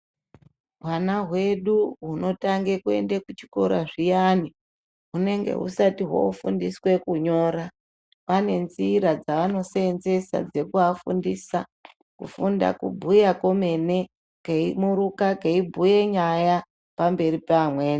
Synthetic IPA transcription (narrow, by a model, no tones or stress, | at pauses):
ɦwanaɦwe̞ɗuɦuno̞taŋɡe̞kue̞̰ndekut͡ʃi̥ko̞ɾaʐijani | ɦune̞ŋɡe̞̰ɦṵsatiɦwo̰ufundiswe̞kuɲo̞ːɾa | pane̞nziːɾad͡zaʋano̞seːnze̞sa̰d͡ze̞kuafundisa | kufunda̰kṵbʱujako̞me̞ne̞ | keimuɾukakeibʱuje̞ɲaja | pambe̞ripamweːn